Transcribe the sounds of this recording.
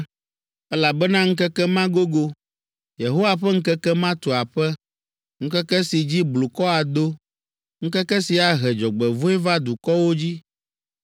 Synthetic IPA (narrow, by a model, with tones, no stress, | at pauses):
ɛ˦la˨bɛ˦nã˦ŋ̩̃˦kɛ˦kɛ˦mã˦ɡo˦ɡo˦ | je˨ɦo˦wa˨ɸɛ˦ŋ̩˦kɛ˦kɛ˦mã˦t̪o˨a˨ɸɛ˦ | ŋ̩˦kɛ˦kɛ˦si˨d͡ʑi˦blu˨kɔ˦a˨d̪o˦ | ŋ̩˦kɛ˦kɛ˦si˨a˨ɦɛ˨d͡ʒɔ˨ɡ͡bɛ˨vo˦ɛ˦va˦d̪u˨kɔ˦wo˦d͡ʑi˦